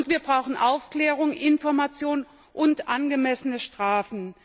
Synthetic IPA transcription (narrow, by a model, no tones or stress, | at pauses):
ʊntv̥iːɐbʁaʊxn̩ʔaʊfkl̥ɛːʁ̞ʊŋʔɪnfɔɐmat͡sjoːn | ʔʊntʔanɡəmɛsənəʃtʁ̥aːfn̩